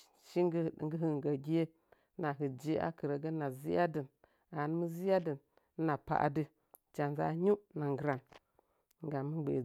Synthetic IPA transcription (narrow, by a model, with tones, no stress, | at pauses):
ʃi˦˨˦ɡə˦ɦə˨ɡə˨ɡʲi˦je˦ | na˨ɦə˨d͡ʒe˦ʔa̰˦kə˨ɾə˨ɡə˦na˨zi˦ja˦di˨n | a˨n˦mə˦zi˦ja˦də˨n˦ | na˨pa̰˨ʔa̰˨də˦ | t͡ʃa˨nza̰˦ɲu˦na˨ŋɡɨ˨ɾa˨n | ŋ˨ɡa˨mə˦ɡ͡bḛ˨